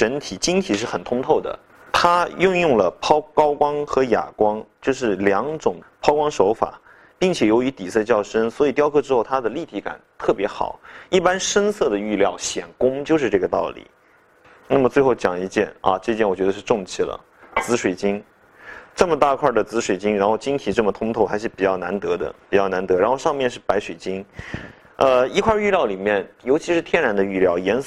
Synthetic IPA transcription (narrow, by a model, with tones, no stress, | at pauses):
ʈ͡ʂə˧˥nt̪ʰi˨˩t͡ɕi˥ŋt̪ʰi˨˩ʂ̬ɻ̩˥˩xə˨˩nt̪ʰʊ˥ŋt̪ʰo˥˩ʊd̪ə̰˩ | t̪ʰa˥jʊ˥˧ŋjʊ˥˩ŋlə˩pʰɑ˥ʊkɑ˥ʊkwɑ˥ŋxɤ˧˥ja̰˨˩kwɑ˥ŋt͡ɕjo˥˧ʊʂ̬ɻ̩˥˩ljɑ˧˥ŋʈ͡ʂʊ˨˩ŋpʰɑ˥ʊkwɑ˥ŋʂo˧˥ʊfa̰˨˩˦ | pi˥˩ŋt͡ɕʰjɛ˨˩jo˧˥ʊy˧˥t̪i˨˩sɤ˥˧t͡ɕjɑ˥˩ʊʂə˥nswɔ˧˥i˨˩t̪jɑ˥ʊkʰɤ˥ʈ͡ʂɻ̩˥xo˥˩ʊt̪ʰa˥d̪ə˨li˥˩t̪ʰi˧˥ka̰˨˩˦nt̪ʰɤ˥˩pjɛ˧˥xɑ̰˨˩˦ʊi˥˩pa˥nʂə˥nsɤ˥˩d̪ə˩y˥˧ljɑ˥˩ʊɕjɛ˨˩nkʊ˥ŋt͡ɕjo˥˧ʊʂɻ̩˥˧ʈ͡ʂɤ˥˩ɡə˩t̪ɑ̰˥˩ʊlḭ˨˩˦ | na˥˩mə˩t͡swe˥˧xo˥˩ʊt͡ɕjɑ̰˨˩ŋi˧˥t͡ɕjɛ˥˩nɐ̰˧ʈ͡ʂɤ˥˧t͡ɕjɛ˥˩nwɔ˨˩t͡ɕɥd̪ə˧ʂɻ̩˥˧ʈ͡ʂʊ˥˧ŋt͡ɕʰi˥˩lə̰˩ | t͡sɹ̩˧˥ʂwe˨˩ɪt͡ɕi˥ŋ | ʈ͡ʂɤ˥˩mə˩t̪a˥˩˧kʰwa˥˩d̪ə˩t͡sɹ̩˧˥ʂwe˨˩ɪt͡ɕi˥ŋɻa˧˥nxo˥˧ʊt͡ɕi˥ŋt̪ʰi˨˩ʈ͡ʂɤ˥˩mə˩ʊ˧˥ŋt̪ʰo˧˥ʊxa˧˥ɪʂɻ̩˥˩pi˨˩t͡ɕjɑ˥˩ʊna˧˥nt̪ɤ˧˥d̪ə̰˧pi˨˩t͡ɕjɑ˥˩na˧˥nt̪ɤ˧˥ɻa˧˥nxo˥˧ʊʂɑ˥˧ŋmjɛ˥˧nʂɻ̩˥˩pa˧˥ɪʂwe˨˩ɪt͡ɕi˥ŋ | ə˧i˥kʰwa˥˧y˥˧ljɑ˥˩ʊli˨˩mjɛ˥˩njo˧˥t͡ɕʰi˧˥ʂɻ̩˥˩t̪ʰjɛ˥˧nɻa˧˥nd̪ə˧y˥˧ljɑ˥˩ʊjɛ˧˥ns